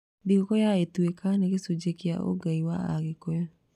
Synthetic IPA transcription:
diɣokɔjaetwekaneɣesod͡ʒekea̰o̰ɡaiwa̰a̰ɣekojɔ

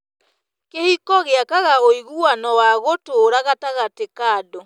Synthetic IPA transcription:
kehikɔɣeakaɣaoiɣuanɔwaɣotoːɾaɣataɣatekaːdɔ

